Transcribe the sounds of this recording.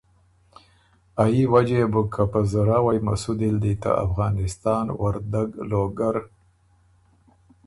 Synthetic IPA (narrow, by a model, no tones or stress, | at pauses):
ajiwad͡ʒebukʰːapazaɾɑwajma̰sud̪ild̪it̪a̰a̰fɣɑnɪst̪ɑːnwaɾd̪aɡloɡaɾ